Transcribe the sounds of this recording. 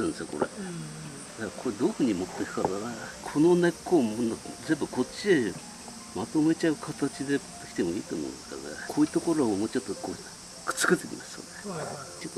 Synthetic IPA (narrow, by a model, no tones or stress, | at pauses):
ãnd̪sɨjoko̞̰ɾḛ | d̪akkʰoɾed̪oːɸɯ̟ɲ̟imo̞t̪ːe̞kɯ̟̥kad̪aɡakʰo̞no̞ne̞kːomnazẽ̞mbɯko̞t͡ɕːie | mat̪o̞me̞t͡ɕaɯ̟kʰat̪at͡ɕid̪e̞t̪ekʲi̥t̪e̞moḭːt̪omõ̰ːneska̰ɡ̪ḛkʰoːjiːt̪o̞ko̞ɾoːmoːt͡ɕot̪ːoko | kɯ̥t͡sɨ̥kɯt̪ekʲḭmasɨ̥jo̰net͡ɕot̪ːo